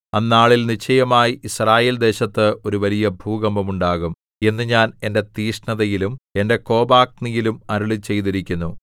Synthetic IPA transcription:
ɐnːaːɭilnit͡ɕʰːɐjɐmaːjiʔisraːjeːld̪e̞ːɕɐt̪ːɨo̞ɾuʋɐlijɐbʱuːɣɐmbɐmuɳɖaːɣum | e̞nːɨɲaːne̞nde̞t̪iːʂɳɐðɐjilume̞nde̞ko̞ːbaːk̚nijilumɐɾuɭit͡ɕe̞jt̪iɾikʲːunːu

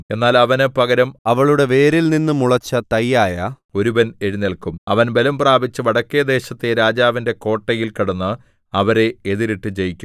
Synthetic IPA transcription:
e̞nːaːlɐʋɐnɨpɐɡɐɾɐmɐʋɐɭuɽe̞ʋe̞ːɾilninːɨmuɭɐt͡ɕːɐt̪ɐjːaːjɐ | o̞ɾubɐne̞ɻinelkumɐʋɐnbe̞lɐmpraːbit͡ɕːɨʋɐɽɐkːeɐd̪e̞ːɕɐt̪ːeɾaːd͡ʑaːʋinde̞ko̞ːʈːɐjilkɐɽɐnːɨ | ɐʋɐɾe̞eðiɾiʈːɨd͡ʑejikʲːum

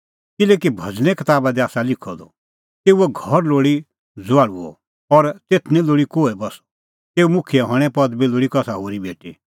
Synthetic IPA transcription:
kɪlɛkibʱɐd͡znɛkɐt̪aːbad̪ɛaːsalɪkʰɔd̪ɔ̰ | t̪eːuɛɡʱɔɾloːɽi | d͡zʋaːɽuɔ̰ | ɔɾt̪eːt̪ʰnĩloːɽikoːebɐs | t̪eːumʊkʰijɛɦɔɽ̃ɛ̃pɐd̪biloːɽikɔsaɦoːɾibeːʈi

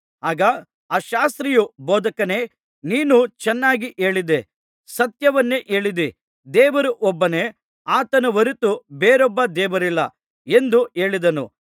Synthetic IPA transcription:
aːɡɐ | aːʃaːst̪ɾijubɔːd̪ɐkɐne̞ː | niːnut͡ʃɛnːaːɡiʔe̞ːɭid̪e | sɐt̪jɐʋɐnːe̞ʔe̞ːɭid̪e | d̪ɛːʋɐɾuʔɔbːɐne̞ː | aːt̪ɐnɐʋɐɾit̪ubeːɾɔbːɐd̪ɛːʋɐɾilːɐ̰ | e̞nd̪ue̞ːɭid̪ɐnṵ

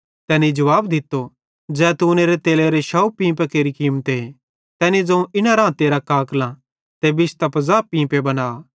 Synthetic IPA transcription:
t̪ɛːnid͡ʒɐʋaːbd̪ɪt̪ːo | d͡ʒɛːt̪uːneɾet̪eːleɾeʃaːupĩːpekeːɾikiːmt̪e | t̪ɛːnid͡zɐ̃ũʔɪnaɾãːt̪eɾakaːkʰlã | t̪ebɪst̪ɐpɐzaːpĩːpebɐnaː

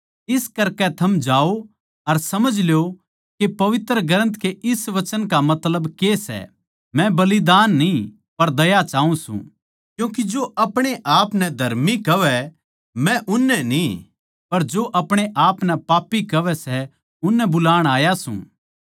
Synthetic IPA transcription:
ɪskɐɾkɛt̪ʰɐmd͡ʒaːo | ɐɾsɐməd͡ʒljo | kepɐʋɪt̪ɾəɡɐɾə̃nt̪keʔɪsʋɐt͡ʃənkamɐt̪ləbkesɛ̰ | mɛ̃bɐlid̪aːnːi | pɐɾd̪ɐjat͡ʃaːũsṵ̃ | kjũːk̬id͡ʒoːʔɐpɽ̃eʔaːpnɛd̪ʱɐɾmikɐʋɛ | mɛ̃ʔʊnːɛni | pɐɾd͡ʒoːʔɐpɽ̃eʔaːpnɛpaːpːikɐʋɛsɛ | ʊnːɛbʊlaːɽ̃aːjasṵ̃ː

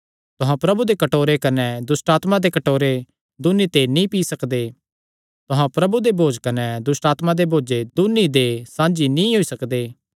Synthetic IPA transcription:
t̪ʊɦãpɾɐbud̪ekɐʈoːɾekɐnɛd̪ʊsʈaːt̪mãd̪ekɐʈoːɾe | d̪ʊnit̪enĩpiːsɐkd̪e | t̪ʊɦãpɾɐbud̪ebʱoːd͡ʒkɐnɛd̪ʊsʈaːt̪mãd̪ebʱoːd͡ʒed̪ʊnid̪esãːd͡ʒinĩɦoisɐkd̪eː

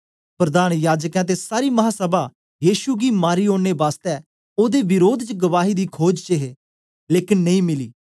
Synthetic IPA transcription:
pɾəd̪aːnjaːd͡ʒəkɛ̃t̪̬esaːɾiːmɐɦaːsəba | jiːʃuɡiːmaːɾiːõːɽ̃ebaːst̪ɛː | oːd̪eːʋɪɾoːd̪t͡ʃɡəʋaːɦiːd̪iːkʰoːd͡ʒt͡ʃəɦeː | leːkɪnːɐĩːmɪliː

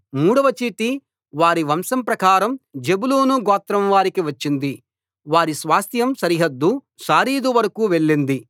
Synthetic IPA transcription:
muːɽɐʋɐt͡ʃiːʈi | ʋaːɾiʋɐmsɐmpɾɐkaːɾɐmd͡ʒebuloːnuɡɔːt̪ːɾɐmʋaːɾikiʋɐt͡ʃːind̪i | ʋaːɾisʋaːst̪ʰjɐmsɐɾiɦɐd̪ːu | ʃaːɾiːd̪uʋɐɾɐkuːʋe̞ɭːind̪i

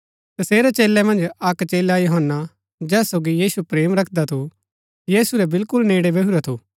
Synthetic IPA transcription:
t̪ɐseːɾɛt͡ʃeːlɛmɐ̃nd͡ʒɐkt͡ʃeːlajoɦənːa | d͡ʒɛːsoːɡijiːsupɾeːmɾɐkʰd̪at̪ʰu | jiːsuɾɛbɪlkʊlneːɽebɐuɾat̪ʰuː

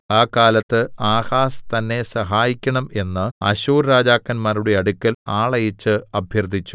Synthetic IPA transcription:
aːkːaːlɐt̪ːɨaːhaːst̪ɐnːe̞sɐɦaːjikʲːɐɳɐme̞nːɨɐ̰ɕuːrːaːd͡ʑaːkːɐnmaːɾuɽe̞ɐɽukʲːɐlaːɭɐjit͡ɕːɨɐbʱjɐrd̪ʱit͡ɕːu̥

